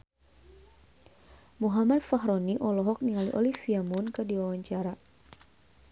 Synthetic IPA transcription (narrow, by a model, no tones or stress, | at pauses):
muɦamat̪̚faɦɾɔniʔɔlɔɦɔk̚niŋaliʔɔlifiamunkədiwawaɲt͡ʃaɾa